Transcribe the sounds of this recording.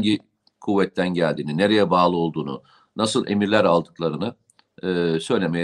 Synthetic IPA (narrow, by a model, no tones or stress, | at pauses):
ɟi | kʰuvːɛt̪ʰːænɟælʲd̪iːnine̞ɾejɛbaːlˠɯo̞lˠd̪uːnṵ | nasɯlˠe̞miɾlʲæɾalˠd̪ɯklˠaɾɯnɯː | sø̞jlʲemej